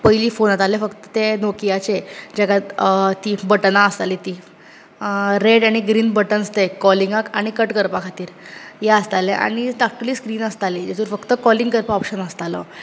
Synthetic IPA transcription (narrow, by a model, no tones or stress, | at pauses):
pəiliːfonat̪alefəkt̪ə̥t̪enokijat͡ɕed͡ʑakat̪ibəʈnaəst̪alit̪iː | ɾeɽaɽ̃iɡɾiːnbəʈənəst̪ekɔliŋɡakaɽ̃ikəʈkəɾpakʰat̪iːɾjaəst̪aleʔa̰ɽ̃iʈak̚ʈuliːskɾiːnəst̪aled͡ʑat̪uːɾfəkt̪əkɔlĩŋɡkəɾpaɔpɕənəst̪alɔ̰